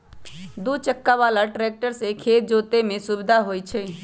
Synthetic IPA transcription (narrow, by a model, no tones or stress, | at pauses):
d̪ut͡ʃəkːaʋaːlaʈɾeːk̚ʈəɾsekʰeːt̪̚d͡ʒoːt̪emẽsubɪd̪ʱaɦoːjt͡ʃʰe